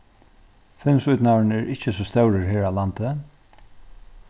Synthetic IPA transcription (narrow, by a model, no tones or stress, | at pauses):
fɪmsʊjt̪nanɛɹʔɪht͡ʃəsɔst̪œwɾɪɹɦeːɹaːlant̪ə